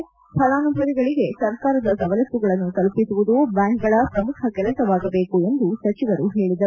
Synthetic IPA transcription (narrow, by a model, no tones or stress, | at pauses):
pʰɐlaːnubʱɾɐd̪iɡɐɭiɡe̞sɐɾkaːɾɐd̪ɐsɐʋɐlɐt̪ːuɡɐɭɐnːut̪ɐlpisuʋud̪ubaːŋkɡɐɭɐpɾɐmukʰɐɡɛlɐt̪ɐʋaːɡɐbeːkue̞nd̪usɐt͡ʃiʋɐɾuɦe̞ːɭid̪ɐɾu